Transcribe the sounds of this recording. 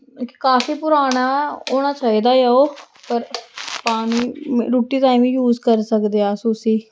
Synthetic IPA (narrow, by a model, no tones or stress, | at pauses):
kːkaːfiːpʊɾaːñaːoːnaːt͡ʃaːiːd̪aːjaːoː | pəɾpaːniːɾuːʈiːt̪aːĩmĩːjuːzkəɾsəkd̪eaːsʊsiː